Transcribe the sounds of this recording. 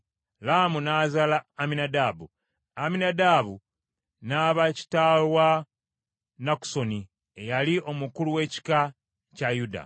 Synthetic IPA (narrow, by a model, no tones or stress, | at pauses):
lamunaːzalaːminadaːbu | aminadaβu | naːβaci̥talwa | naku̥so̞ni | ejaliʔo̞mukuluwe̞ːci̥ka | cajuda̰